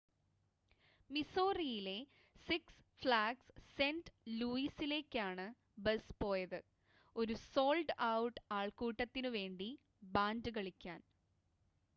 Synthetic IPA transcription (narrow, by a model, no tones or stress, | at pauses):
miso̞ːrijile̞ | siks | fɭaːɡsse̞ndluːisile̞ːkʲːaːɳɨ | bɐspo̞ːjɐðɨ | o̞ɾuso̞ːlɖɐwuʈːɨaːɭkuːʈːɐt̪ːinɨʋe̞ːɳɖi | baːndɨkɐɭikʲːaːn